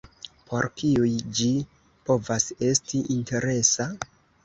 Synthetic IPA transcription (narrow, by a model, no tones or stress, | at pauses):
pʰo̞ɾkiujd͡ʒi | po̞vase̞stiʔinte̞ɾe̞sa